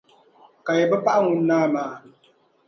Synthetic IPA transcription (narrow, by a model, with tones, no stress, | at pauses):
ka˨jɛ˨bɛ˦pa˦ʔa˦ŋʊ˦nː˦aː˦maː˨